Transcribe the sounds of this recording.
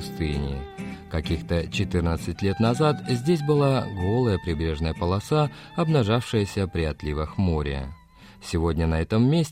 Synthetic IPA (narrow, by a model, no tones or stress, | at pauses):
st̪ɨnʲɪ̰kɐkʲixt̪ət͡ɕɪt̪ɨrnət̪sɨtʲlʲe̞t̪nɐzat̪zʲdʲes̬ʲbɨlˠaɡo̞lˠəjəpɾʲɪbɾʲe̞ʐnəjəpəlˠɐsa | ɐbnɐʐafʂɨjəsʲəpɾʲɪɐt̪lʲivəxmoɾʲɪ̰ə | sʲɪvodʲnʲənɐɛt̪əmːʲesʲ